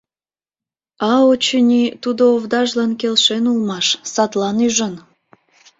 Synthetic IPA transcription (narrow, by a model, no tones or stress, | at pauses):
ɑot͡ɕənʲit̪ud̪ooβd̪ɑʒlɑnkelʃenulmɑʃsɑt̪lɑnyʒən